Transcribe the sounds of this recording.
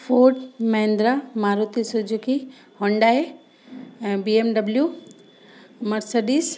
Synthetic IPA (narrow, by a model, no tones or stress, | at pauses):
foːʈmɐɦẽnd̪ɾamaːɾut̪isud͡ʒuki | hõːɳɖaɦe | biemɖɐblju | mɐɾsɐɖiːs